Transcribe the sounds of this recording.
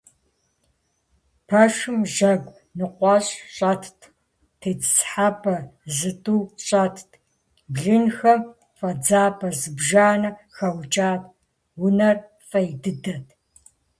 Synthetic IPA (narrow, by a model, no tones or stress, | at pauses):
pʰɐʃɨmʒɐɡʷʼ | nɨqʷɑɕʼɕʼɐtʰtʰ | tʰeːt͡sʰsħapʰɐzɨtʼuːɕʼɐtʰtʰ | bɮɨnxɐm | fʼɐd͡zaːpʰɐzɨbʒaːnɐxɐwt͡ʃʼaːp̚ʰʼ | wʊnɐr | fʼɐjdɨdɐtʰ